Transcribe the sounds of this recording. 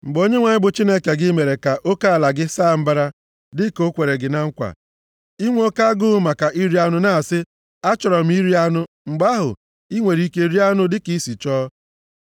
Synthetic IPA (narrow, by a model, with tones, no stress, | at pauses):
ŋ͡m̩˨ɡ͡bo˦ɲe˦ŋʷa˨ɲɪ˦bʊ˨t͡ʃi˦ne˦ke˨ɡɪ˦me˨ɾe˨ka˨ʔo˦ka˦a˨la˨ɡɪ˦saː˦˨m̩˦ba˦ɾa˦ | dɪ˦ko˦kʷe˨ɾe˨ɡɪ˨na˦ŋ̩˦kʷa̰˨ | i˦ŋʷ˦o˦ka˦ɡʊ˦ma˨ka˨ʔi˦ɾi˦a˦nʊ˦na˦a˨sɪ˦ | a˦t͡ʃɔ˨ɾɔ˨m̩˦i˦ɾi˦a˦nʊ˦ | ŋ͡m̩˨ɡ͡ba˦ɦʊ̰˨ | i˦ŋʷe˨ɾi˦ke˦ɾi˦a˦nʊ˦dɪ˦ki˦si˨t͡ʃɔː˦